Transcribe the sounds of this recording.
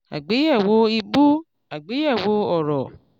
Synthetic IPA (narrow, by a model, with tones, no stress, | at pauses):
a̰˨ɡ͡be˨˦jɛ˦˨wo˦i˧bu˦ | a˨ɡ͡be˨˦jɛ˦˨wo˧˦ɔ˨ɾɔ˨